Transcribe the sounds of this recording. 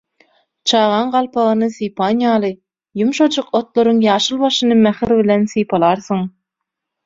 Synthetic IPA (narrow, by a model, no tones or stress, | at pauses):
t͡ʃʰɑːʁɑɴɢɑlˠpʰɑʁɯnɯsijpʰɑnjɑːlˠɯ | jumʃod͡ʒuqot̪lˠoɾuŋjɑːʃɯlˠβɑʃɯnɯmæxiɾβilʲensijpʰɑlˠɑɾθɯŋ